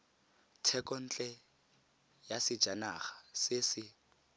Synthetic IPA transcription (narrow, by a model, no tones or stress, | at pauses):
tʰɛkɔn̩t͡ɬʼɛ | jasɪ̥d͡ʒanaɣḁsɪsɪ